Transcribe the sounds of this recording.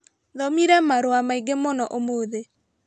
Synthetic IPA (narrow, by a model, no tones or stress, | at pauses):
ðɔmiɾɛmaɾoamaiɡemonɔʔomoːðe